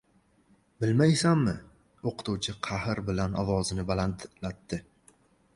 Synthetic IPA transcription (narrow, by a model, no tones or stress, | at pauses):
bɪlmajsamːɪ | oqɨ̥t̪uwt͡ʃʰɪqʰɑhɾbɪlanɒvɒzɪnɪbalant̪lat̪ːɪ